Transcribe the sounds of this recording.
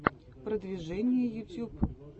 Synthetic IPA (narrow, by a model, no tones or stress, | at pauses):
pɾəd̪vʲɪʐɛnʲɪjəjʊt̪ʲup